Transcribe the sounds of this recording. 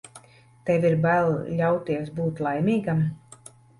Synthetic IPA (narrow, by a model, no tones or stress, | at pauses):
t̪ɛviɾbælˠlʲawt̪iɛsbuːt̪lˠajmʲiːɡam